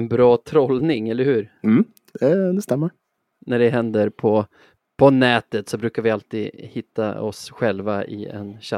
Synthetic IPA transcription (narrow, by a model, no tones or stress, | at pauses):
nbɾɑːt̪ʰɾɔlnɪŋɛlːəɾhʉ̟ːɾm̩ː | ɛd̪ɛst̪ɛmːəɾ | næɖɛɦɛnd̪əɾpʰɔ | pʰɔnɛːt̪ət̪sɔbɾʉ̟ːkaɾvɪalt̪iːd̪hɪt̪ːa̰ɔsɧɛlvaɪ̰ɛ̰nɕa